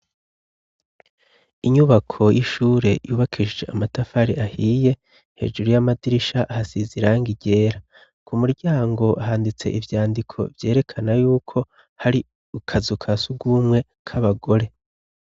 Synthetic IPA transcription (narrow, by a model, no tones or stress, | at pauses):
iɲuβakʰo̞jiʃuːɾe̞juːβakʰid͡ʒd͡ʒḛamatafaɾiʔahije̞ | hḛːd͡ʒuɾujamadiɾiʃaʔhasiziɾaŋɡiɟe̞ːɾa | kʰumuɾɟaːŋɡo̞ʔaɦaːndit͡se̞̰ʔivjaːndikʰo̞̰vje̞ːɾe̞kʰanajuːkʰo̞ | haɾi | ukʰazukʰasuɡumŋe̞ | kʰaβaɡo̞ɾe̞